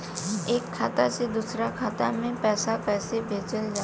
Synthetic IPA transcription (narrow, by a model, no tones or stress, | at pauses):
eːkʰːaːt̪ased̪uːsɾakʰaːt̪a̰mẽpɛːsakɛːsebʱeːd͡ʒəld͡ʒaː